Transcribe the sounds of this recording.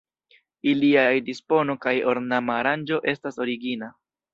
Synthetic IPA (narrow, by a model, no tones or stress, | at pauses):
iliajdispo̞no̞kajo̞ɾnamaɾand͡ʒo̞ʔe̞staso̞ɾiɡina